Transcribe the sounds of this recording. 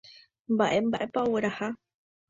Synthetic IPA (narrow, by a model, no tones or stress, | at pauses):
mbaʔembaʔepawɨɾaha